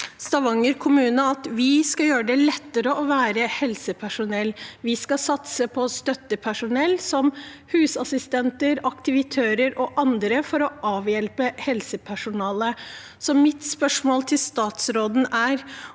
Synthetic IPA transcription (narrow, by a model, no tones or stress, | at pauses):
st̪ɑʋɑŋːəɾkʰʊmʉːnəɑt̪ʋɪskɑjøːɾəɖ̪ɛlɛt̪ːəɾəɔʋæːɾəhɛlsəpʰæʂʊnɛlːʋɪskɑsɑt̪səpʰɔst̪œt̪ːəpʰæʂʊnɛlːsɔmhʉːsɑsɪst̪ɛnt̪əɾɑkt̪ɪʋɪt̪ʰæːɾəɾɔʔɑnd̪ɾəfɔɾɔɑːʋjɛlpəhɛlsəpʰæʂʊnɑːlə | sɔmːɪt̪spœʂmoːlt̪ʰɪlst̪ɑːt̪sɾoːd̪n̩æɾ